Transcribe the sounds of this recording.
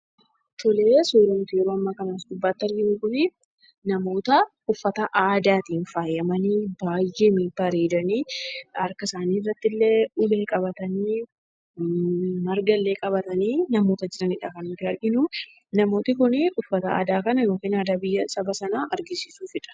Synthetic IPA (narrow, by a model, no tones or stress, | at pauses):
t̪ʰʊleːsuːd̪ɐmt̪ʊjɛɾoːɐmːaːkɐnaːsd̪ʊbːaːt̪ːɐɾɡɪmʊkʊnɪ | nɐmo̞ːt̪ɐ | ʊfːɐt̪ɐʔaːd̪aːt̪iːnfaːjːɐmɐniːbaːjʔeːmiːbɐɾeːd̪ɐniːɐɾkɐsaːniːrːɐt̪ːɪlːeʊle̞ːkʼɐbɐt̪ɐniː | mɐɾɡɐlːe̞ːkʼɐbɐt̪ɐniːnɐmo̞ːt̪ɐd͡ʒɪɾɐnɪᶑakɐnɪt̪ːɪɐɾɡɪnʊ | nɐmo̞ːt̪ɪkʊnɪʔʊfːɐt̪ɐa̰ːd̪aːkɐnɐjo̞ːkiːnaːd̪aːbɪjːɐsɐbɐsɐnaːʔɐɾɡɪsiːsuːfɪᶑɐ̥